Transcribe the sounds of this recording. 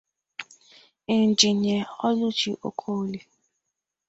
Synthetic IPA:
e˨n̩˨d͡ʒi˨ɲe˨ɔ˦lu˦t͡ʃi˨ʔo̰˨kʰo˦li˨

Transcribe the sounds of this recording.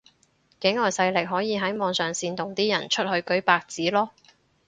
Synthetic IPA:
kɪ˨˥ŋɔː˨˩jsɐ˧jlɪ˨k̚ɦɔː˨˥jiː˨˧ɦɐ˨˥jmɔː˨˧ŋsœː˨ŋsiː˧nt̪ʊ˨ŋt̪iː˥jɐ̰˨˩nt͡ʃʰɵ˥t̚hɵ˧ɥkɵ˨˥ɥpaː˧k̚t͡siː˨˥lɔː˥

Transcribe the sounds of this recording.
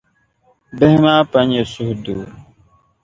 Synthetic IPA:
bɛ˦hmaː˦pa˨˦ɲe˨su˦hduː˨

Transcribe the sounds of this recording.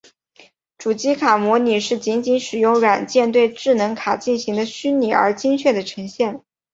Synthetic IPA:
ʈ͡ʂu˨˩t͡ɕi˥kʰa˨˩mwɔ˧˥ni˨˩ʂɻ̩˥˩t͡ɕi˧˥nt͡ɕi˧˥nʂɻ̩˨˩jʊ˥˧ŋɻwa˨˩nt͡ɕjɛ˥˧nt̪we˥˧ɪʈ͡ʂɻ̩˥˩nɤ˧˥ŋkʰa˨˩t͡ɕi˥˩nɕi˧˥ŋd̪ə˧ɕy˥nni˨˩ə̰˞˧˥t͡ɕi˥ŋt͡ɕʰɥɛ˥˩d̪ə˩ʈ͡ʂʰɤ˧˥ŋɕjɛ˥˩n

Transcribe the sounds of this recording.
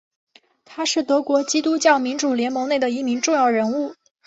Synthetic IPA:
t̪ʰa˥ʂɻ̩˥˩t̪ɤ˧˥kwɔ˧˥t͡ɕi˥t̪u˥t͡ɕjɑ˥˩ʊmi˧˥nʈ͡ʂu˨˩ljɛ˧˥nmɤ˧˥ŋne˥˩ɪd̪ə˩i˧˥mi˧˥ŋʈ͡ʂʊ˥˧ŋjɑ˥˩ʊɻə˧˥nu˥˩

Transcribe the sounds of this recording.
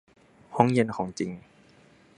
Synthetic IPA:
ho˧˦˥ŋje˧nkʰɔː˩˦ŋt͡ɕi˧ŋ

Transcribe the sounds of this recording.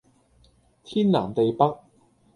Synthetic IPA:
t̪ʰiː˥nla̰ː˨˩ŋt̪e˨jpɐ˥k̚

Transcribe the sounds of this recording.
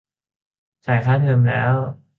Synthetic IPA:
t͡ɕʰa˨˩jkʰaː˥˩t̪ʰɤː˧mlɛ̰ː˦˥w

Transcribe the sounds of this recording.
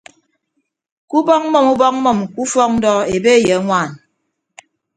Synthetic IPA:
ku˦bɔ˦k̚mɔ˦˨mu˦bɔ˦k̚mɔ˨mku˦fɔ˦k̚n̩˦dɔ˦e˨be˦e˦˨jə˨˦ŋʷaː˦˨n

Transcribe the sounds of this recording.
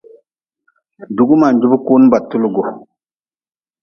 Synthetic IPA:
du˨ɡu˦ma˨ɲd͡ʒu˦bu˦ku˦n˦ba˨tːu˦lu˦ɡo˨

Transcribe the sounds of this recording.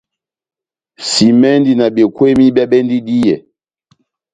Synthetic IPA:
si˨mɛ˦ndi˨na˨bɛ˨kwɛ˦mi˦bja˦bɛ˦ndi˦di˦jɛ˨

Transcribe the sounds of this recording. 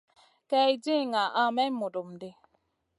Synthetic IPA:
kɛ˦i˦d͡ʒi˦˨ŋa˨ʔa˦mɛ˦mu˨do˨m˨di˦

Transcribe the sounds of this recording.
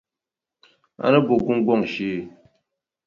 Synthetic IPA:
a̰˦nə˦bo˨ɡu˦ŋ˦ɡɔ˦˨ŋ˨ʃi˦˨

